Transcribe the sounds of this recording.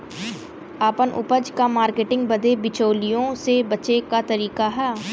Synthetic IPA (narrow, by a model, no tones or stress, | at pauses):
aːpənʔʊ̰pəd͡ʒkamaːɾkeːʈɪ̃ŋɡ̚bəd̪ebɪt͡ʃoːlijõsebəːt͡ʃekat̪əɾiːkaɦɛː